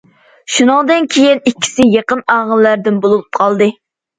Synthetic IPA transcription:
ʃunɨŋd̪ɨnkʲʰejinikʲʰːi̥sɪjeqənɑːʁəlːæɾd̪ɪnbolˠulˠp̚qʰɑlˠd̪ɨ

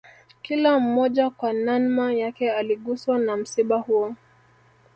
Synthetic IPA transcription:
kilam̩mɔʄakwananmajakɛaliɠuswanam̩siɓahuɔ

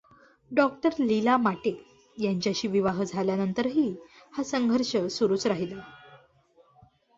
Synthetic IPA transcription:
ɖɔk̚ʈəɾlilamaʈe | jaɲt͡ɕjaɕiːʋiʋaɦd͡zʱaljanənt̪əɾɦiː | hasəŋɡʱəɾɕəsuɾuːt͡sɾaɦilə

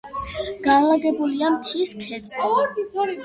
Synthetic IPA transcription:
ɡ̥anlaɡɛbuliamt̪ʰiskʰɛt̪sʼi

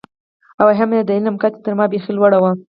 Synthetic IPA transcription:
awaɦamjed̪ailnamkat̪e̥t̪əɾmɑbexilwaɽawa

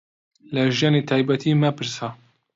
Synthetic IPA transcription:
ləʒɛnet̪ʰɑjbɛt̪ʰimɛpɨɾsa

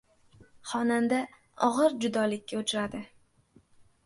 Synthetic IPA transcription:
χɒnand̪a | ɒʁɨɾd͡ʒʊd̪ɒlɪkʲːaʊt͡ʃʰɾad̪ɪ

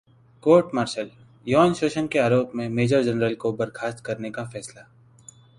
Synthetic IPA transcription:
koːɾʈmaːɾʃəl | jɔːnʃoːʃənkeaːɾoːpmẽmeːd͡ʒəɾd͡ʒɐnɾəlkobɐɾkʰaːst̪̚kɐɾnekafɛːsla

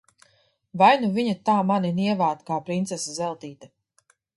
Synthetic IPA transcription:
vajnuviɲat̪aːmaniniɛvaːt̪kaːpɾint̪sɛsazɛlˠt̪iːt̪a

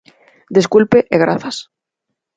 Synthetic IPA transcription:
d̪eskulpeʔeɣɾa̰θas

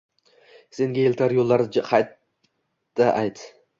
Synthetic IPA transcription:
se̞ŋɡʲaelt̪ʰaɾjolˠːaɾqʰɑjt̪ː | aʔajt̪

